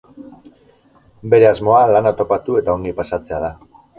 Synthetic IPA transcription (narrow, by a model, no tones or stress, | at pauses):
be̞ɾe̞azmo̞alanat̪o̞pat̪ue̞t̪ao̞ŋɡipasat͡se̞aða